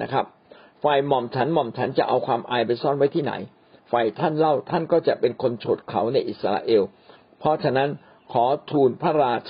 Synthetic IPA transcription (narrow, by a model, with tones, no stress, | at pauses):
na˦˥kʰɾa˦˥p̚ | fa˧jmɔ˨˩mt͡ɕʰa˦˥nmɔ˨˩mt͡ɕʰa˦˥nt͡ɕa˨˩ʔa˧wkʰwaː˧mʔaː˧jpa˧jsɔ˥˩nwa˦˥jt̪ʰiː˥˩na̰˩˦j | fa˧jt̪ʰa˥˩nla˥˩wt̪ʰa˥˩nkɔː˥˩t͡ɕa˨˩ʔpe˧nkʰo˧nt͡ɕʰoː˨˩t̪̚kʰa˩˦wna˧jʔi˨˩t̪̚sa˧la̰ː˧ʔeː˧w | pʰɾɔ˦˥t͡ɕʰa˧na˦˥n | kʰɔː˩˦t̪ʰuː˧npʰa˦˧˥ɾaː˧t͡ɕʰ